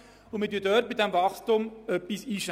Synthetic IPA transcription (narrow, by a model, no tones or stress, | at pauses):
ʊmədyːdœːɾt̚bɪdæmvɑχstʊmœpːisiːʃ